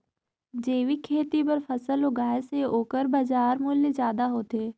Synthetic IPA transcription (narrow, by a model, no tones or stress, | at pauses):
d͡ʒeːʋikʰeːt̪ipəɾfʰɐsəloɡaːeseoːkəɾbad͡ʒaːɾmʊljezjaːd̪aɦoːt̪eː